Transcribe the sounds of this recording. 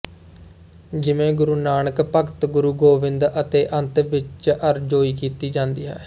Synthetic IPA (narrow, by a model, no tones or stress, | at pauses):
d͡ʒɪmẽːɡʊɾuːnaːɳəkpəkt̪ɡʊɾuːɡoːʋɪnd̪ət̪eːʔə̃nt̪ʋɪt͡ʃʔəɾd͡ʒoːiːkiːt̪iːd͡ʒãːnd̪ḭːɦɛ̰ː